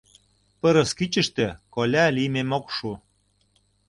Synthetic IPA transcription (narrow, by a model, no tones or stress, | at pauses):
pəɾə̆skit͡ɕə̆ʃt̪ĕkolʲælimemokʃu